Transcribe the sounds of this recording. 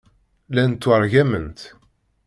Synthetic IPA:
lænt̪ːwəɾˤʝæmə̰nt̪

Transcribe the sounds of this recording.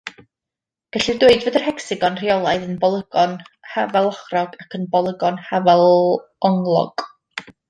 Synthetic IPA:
ɡ̥aɬɪrdweɨdvədər̥hɛksɪɡɔnr̥iɔlˠaɨðənbɔlˠəɡɔnhavɛlˠɔχrɔɡakʰənbɔlˠəɡɔnhavɛlˠ | ɔŋlˠɔ̰ɡ̥

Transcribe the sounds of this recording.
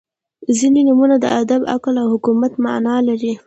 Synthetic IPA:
zinenumunad̪ə̰ʔad̪aba̰klawhʊkumat̪ma̰nɑlaɾi

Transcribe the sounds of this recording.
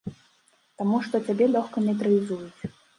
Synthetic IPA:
t̪amuʂt̪ɔt͡sʲabʲɛlʲɔxkɐnʲɛt̪ɾɨjʲizujut͡sʲ

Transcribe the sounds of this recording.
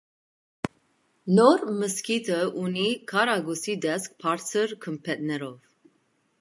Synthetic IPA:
nɔɾməskit̪ʰəʔunikʰɑɾɑɡɔsid̪ɛsk̚pʰɑɾt͡sʰəɾkʰəmpʰɛt̪̚nɛɾɔv

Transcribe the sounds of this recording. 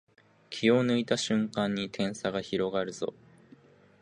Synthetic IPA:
kʲʰio̞nɯ̟it̪aɕɨ̃ŋkãɲ̟ːit̪ʰẽ̞ɰ̃saɡaçiɾo̞ɡaɾɯ̟zo̞̰

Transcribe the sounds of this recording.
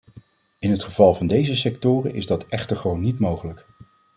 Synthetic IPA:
ɪnɦətχəv̥ɑlˠvɑndejzəsɛk̚tʊːrə̰nʔɪzdɑtɛχtəɹχəʋownːitmowχələk

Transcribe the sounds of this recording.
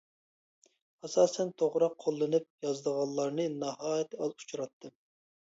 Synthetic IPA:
ɑsɑːsɛnt̪ʰoʁɾɑqʰːolˠːɨnɨp̚jɑzd̪əʁɑllˠːɑɾnɨnɑɦɑːjɛt̪ɑzu̥t͡ʃʰɾɑt̪ʰːɨm

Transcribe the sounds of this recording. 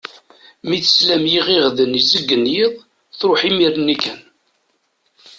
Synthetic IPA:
miθə̥slæmjiʁiʁðənizəɡːənjiðˤ | θɾoħimiɾnːikæn

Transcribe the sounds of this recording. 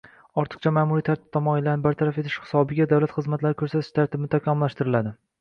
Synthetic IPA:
ɒɾt̪ʰɨ̥q̚t͡ʃʰamaːmuɾit̪ʰaɾt̪ʰɪ̥p̚t̪ʰɒmɒɪlːanɪbaɾt̪ʰaɾafet̪ʰɪ̥ʃhɪ̥sɒbɪɡʲad̪awlat̪χɨzmat̪laɾɪkʰɵɾsat̪ʰɪʃt̪ʰaɾt̪ɪbɪnɪt̪ʰakʲʰamɪlːaʃt̪ɪɾɪlad̪ɪ

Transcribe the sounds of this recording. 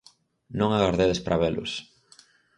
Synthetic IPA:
nõŋaɣaɾðeðespɾʔaβelʊ̰s

